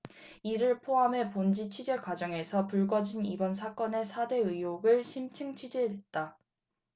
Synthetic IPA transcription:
iɾɯɭpʰoɦamɦe̞pond͡ʑit͡ɕʰɥid͡ʑe̞kwad͡ʑʌŋe̞sʰʌpuɭɡʌd͡ʑinibʌns̬ʰak͈ʌne̞sʰade̞ɯjoɡɯɭɕʰimt͡ɕʰɯŋt͡ɕʰɥid͡ʑede̞t̚t͈a

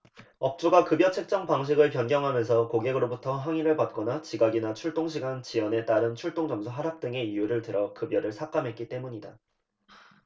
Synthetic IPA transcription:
ʌp̚t͡ɕ͈uɡakɯbjʌt͡ɕʰe̞k̚t͡ɕ͈ʌŋpaŋɕ̬ʰiɡɯɭpjʌnɡjʌŋɦamjʌnsʰʌkoɡe̞ɡɯɾobutʰʌɦaŋiɾɯɭpat̚k͈ʌnat͡ɕiɡaɡinat͡ɕʰuɭt͈oŋɕʰiɡant͡ɕiwʌne̞t͈aɾɯnt͡ɕʰuɭt͈oŋd͡ʑʌmsʰuɦaɾap̚t͈ɯŋe̞ijuɾɯɭtɯɾʌkɯbjʌɾɯɭsʰak͈amɦe̞t̚k͈it͈e̞muɲida

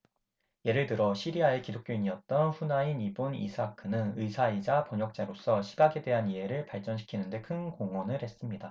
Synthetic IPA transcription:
je̞ɾɯɭtɯɾʌɕʰiɾiae̞kidok͈̚joiɲiʌt̚t͈ʌnɸunainibonḭsʰakʰɯnɯnɯisʰaid͡ʑapʌɲʌk̚t͡ɕ͈aɾos͈ʰʌɕʰiɡaɡe̞dwe̞ɦaniɦe̞ɾɯɭpaɭt͡ɕ͈ʌnɕʰi̥kʰinɯnde̞kʰɯnkoŋwʌnɯɾhe̞s͈ɯmɲida

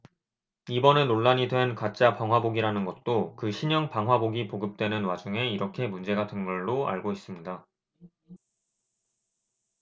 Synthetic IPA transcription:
ibʌnɯnːoɭːaɲidwe̞nkat͡ɕ͈apaŋɦwaboɡiɾanɯnɡʌt̚t͈okɯɕʰiɲʌŋpaŋɦwaboɡipoɡɯp̚t͈we̞nɯnwad͡ʑuŋe̞iɾʌkʰe̞mund͡ʑe̞ɡatʰɯnɡʌɭːoa̰ɭɡois͈ɯmɲida

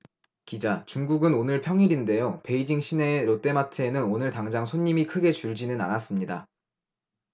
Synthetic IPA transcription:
kid͡ʑat͡ɕuŋɡuɡɯnonɯɭpʰjʌŋiɾinde̞jope̞id͡ʑiŋɕʰine̞ɾot͈e̞matʰɯenɯnonɯɭtaŋd͡ʑaŋsʰoɲːimikʰɯɡe̞t͡ɕuɭd͡ʑinɯna̰nas͈ɯmɲida̰

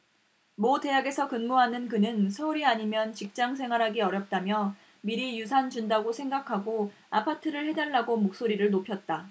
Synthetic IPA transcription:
mote̞jaɡe̞sʰʌkɯnmoɦanɯnkɯnɯnsʰʌuɾiaɲimjʌnt͡ɕik̚t͡ɕ͈aŋsʰe̞ŋwaɾɦaɡiʌɾjʌp̚t͈amjʌ | miɾijusʰand͡ʑundaɡosʰe̞ŋɡakʰaɡo | apʰatʰɯɾɯɭhe̞daɭːaɡomok̚s͈oɾiɾɯɭnopʰjʌt̚t͈a

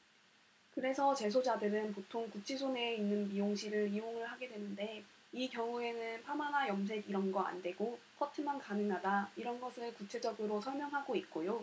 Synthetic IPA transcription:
kɯɾe̞sʰʌt͡ɕe̞s̬ʰod͡ʑadɯɾɯnpotʰoŋkut͡ɕʰisʰone̞inːɯnpioŋɕʰiɾɯɾiɦoŋɯɭhaɡe̞dwe̞nɯnde̞ | ikjʌŋue̞nɯnpʰamanajʌms̬ʰe̞ɡiɾʌnɡʌa̰ndwe̞ɡokʰʌtʰɯmankanɯŋadaiɾʌnɡʌsʰɯɭkut͡ɕʰe̞d͡ʑʌɡɯɾosʰʌɭmjʌŋɦaɡoit̚k͈ojo

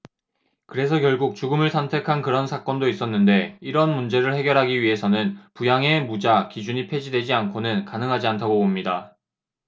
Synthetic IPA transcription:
kɯɾe̞sʰʌkjʌɭɡuk̚t͡ɕuɡɯmɯɭsʰʌntʰe̞kʰankɯɾʌnsʰak͈ʌndois͈ʌnːɯnde̞iɾʌnmund͡ʑe̞ɾɯɭhe̞ɡjʌɾɦaɡiɥiɦe̞sʰʌnɯnpujaŋe̞mud͡ʑakid͡ʑuɲipʰe̞d͡ʑidwe̞d͡ʑiankʰonɯnkanɯŋɦad͡ʑiantʰaɡopomɲida

